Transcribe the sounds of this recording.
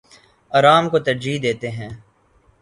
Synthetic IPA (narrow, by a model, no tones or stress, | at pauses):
ɐːɾaːmkot̪ɐɾd͡ʒiːd̪eːt̪eɦɛ̃ː